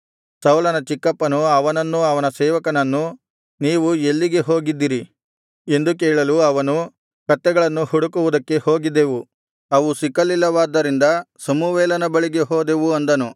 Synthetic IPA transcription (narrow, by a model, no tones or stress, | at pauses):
sɐwlɐnɐt͡ʃikːɐpːɐnuɐʋɐnɐnːuɐʋɐnɐsɛːʋɐkɐnɐnːu | niːʋuelːiɡe̞ɦo̞ːɡid̪ːiɾi | e̞nd̪uk̬eːɭɐluɐʋɐnu | kɐt̪ːɛɡɐɭɐnːuhuɽukuʋud̪ɐkːe̞ho̞ːɡid̪ːe̞ʋu | ɐʋusikːɐlːilːɐʋaːd̪ɐɾind̪ɐsɐmuʋɛːlɐnɐbɐɭiɡe̞ɦoːd̪e̞ʋuɐnd̪ɐnu